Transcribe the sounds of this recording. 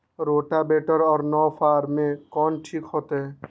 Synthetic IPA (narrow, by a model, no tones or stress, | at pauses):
ɾoːʈabeːʈəɾɔːɾnɔːfʰaːɾmẽkɔːnʈʰiːkɦoːt̪eɦɛː